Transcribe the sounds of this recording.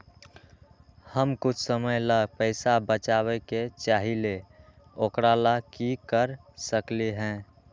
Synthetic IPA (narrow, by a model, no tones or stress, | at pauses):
həmkʊt͡ʃʰsəməjləɡpəɪsabət͡ʃaβeket͡ʃaːɦile | okɾalakikəɾ | səkleɦɛ̃